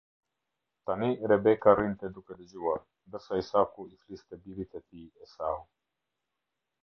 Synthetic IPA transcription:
t̪aniɾɛbekaɾint̪ed̪uked̪ed͡ʒuwaɾ | d̪əsaisakuiflist̪ebilit̪ʰet̪iɛsaːɦu

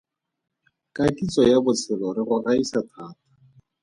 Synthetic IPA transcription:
kʼatʼit͡sʼɔjabʊt͡sʰɪlɔɾɪrʊraisatʰaːtḁ

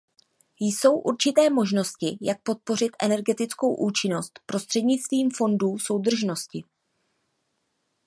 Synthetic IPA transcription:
jso̞wʔuɾt͡ʃɪt̪ɛːmo̞ʒno̞scɪjak̚po̞t̪̚po̞r̝ɪt̪ʔɛ̰nɛɾɡɛt̪ɪt͡sko̞wʔuːt͡ʃɪno̞st̪pɾo̞st̪r̝̥ɛdɲɪt͡st̪viːmfo̞nduːso̞wd̪r̩ʒno̞scɪ

